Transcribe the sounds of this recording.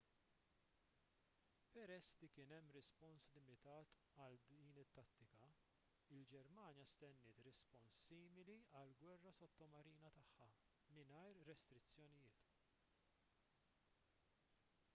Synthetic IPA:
pɛɾɛsːlikɪːnɛmːɾɛspɔnslɪmɪt̪ɐːt̪ | ɐld̪iːnɪt̪ːɐt̪ːɪkɐ | ɪld͡ʒɛɾmɐːnjɐst̪ɛnːɪːt̪ɾɛspɔnsːiːmɪliɐlɡwɛrːɐsɔt̪ːɔmɐɾiːnɐt̪ɐħːɐ | mɪnɐjɾːɛst̪ɾɪt͡sːjɔnɪjɪːt̪

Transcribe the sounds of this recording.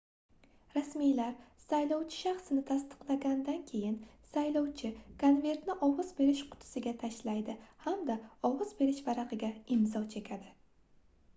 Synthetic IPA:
ɾasmijlaɾsajlˠɒwt͡ʃʰɪ̥ʃaχsɪnɪt̪ʰast̪ɨ̥qlˠaɡʲand̪ankʲʰe̞jɪn | sajlɒwt͡ʃʰɪkʰonve̞ɾt̪nɪʔɒvɒzbe̞ɾɪʃqʰʊ̥t̪ʰɪ̥sɪɡʲat̪ʰaʃlajd̪ɪhamd̪aɒwɒz̥be̞ɾɪʃvaɾaqʰɨɡʲaɪmzɒt͡ʃʰe̞kʲʰad̪ɪ

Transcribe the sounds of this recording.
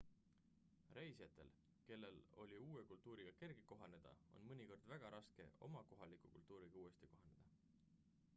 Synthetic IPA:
re̞jsjɑt̪ːˑe̞̰l | ke̞lːe̞lo̞̰lʲiuːekult̪ˑuːɾiɡ̥ɑke̞rɡ̥iko̞ɦɑne̞d̪̥ɑ̰o̞̰nmɤnʲiko̞rd̪̥væɡ̥ɑɾʔɑske̞̰o̞mɑko̞ɦɑlikˑukult̪ˑːuːɾiɡ̥ɑuːest̪iko̞ɦɑne̞d̪̥ɑ

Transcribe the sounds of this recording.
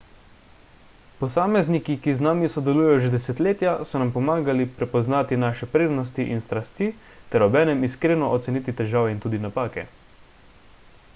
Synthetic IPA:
pɔsaːmɛznikikiznaːmisɔd̪ɛluːjɛjɔʒɛd̪ɛsɛt̪leːt̪jasɔnampɔmaːɡalipɾɛpɔznaːt̪inaːʃɛpɾeːd̪nɔst̪iʔinst̪ɾast̪iː | t̪ɛɾɔbɛːnɛmiskɾeːnɔʔɔt̪sɛniːt̪it̪ɛʒaːʋɛint̪uːd̪inapaːkɛ̰

